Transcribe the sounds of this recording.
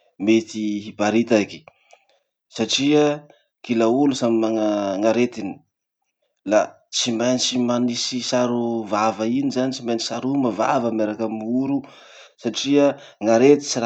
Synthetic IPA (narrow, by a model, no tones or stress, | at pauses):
met̪iibaɾit̪aki̥ | saʈ͡ʂiə | kilaulusamimaŋaŋaɾet̪ini̥ | la | t͡simajnit͡simanisisaɾuvavainizanit͡simajnisaɾumavavəmeɾakamiuɾu | saʈ͡ʂiə | ŋaɾet̪i̥t͡siɾa